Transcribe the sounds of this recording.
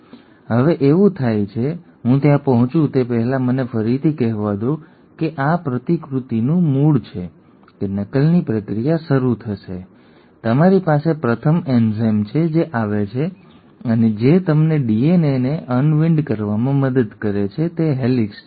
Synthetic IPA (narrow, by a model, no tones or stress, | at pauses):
ɦəʋeʔeʋũt̪ʰajt͡ʃʰe | ɦũt̪jãpəɦʊ̃t͡ʃũt̪epəɦɛlamənefəɾit̪ʰikɛɦʋad̪o | keʔapɾət̪ikɾut̪inũmuɭt͡ʃʰe | kenəkəlnipɾəkɾijaʃəɾut̪ʰəʃe | t̪əmaɾipasepɾət̪ʰəmenzɛmt͡ʃʰed͡ʒeʔaʋet͡ʃʰe | əned͡ʒet̪əmneɖieneneʔənʋɪ̃ɳɖkəɾʋamãməd̪əd̪kəɾet͡ʃʰet̪eɦɛliks